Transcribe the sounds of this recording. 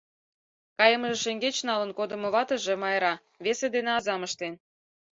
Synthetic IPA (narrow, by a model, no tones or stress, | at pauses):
kɑjə̆məʒĕʃeŋɡet͡ɕnɑlənkod̪ə̆mŏβɑt̪ə̆ʒĕmɑjɾɑ | βesed̪eneɑzɑmə̆ʃt̪en